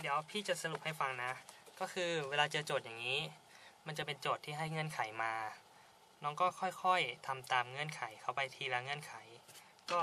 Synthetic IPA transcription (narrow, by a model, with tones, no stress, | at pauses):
d̪i˩˦əwpʰiː˥˩t͡ɕa˨˩sa˧lu˨˩p̚ha˥˩jfa˧ŋna˦˥kɔː˥˩kʰɯː˧weː˧laː˧t͡ɕɤː˧t͡ɕoː˨˩t̪̚jaː˨˩ŋiː˦˥ | ma˧nt͡ɕa˨˩pe˧nt͡ɕoː˨˩t̪ʰːiː˥˩ɦa˥˩jŋɤ˧˥˨nkʰa˩˦jmaː˧ | nɔː˦˥ŋkɔː˥˩kʰɔ˥˩jkʰɔ˥˩jt̪ʰa˧mt̪aː˧mŋɤ˧˥˨nkʰa˩˦jkʰa˧˩wpa˧jt̪ʰiː˧la˧ŋɤ˧˥˨nkʰa˩˦j | kɔː˥˩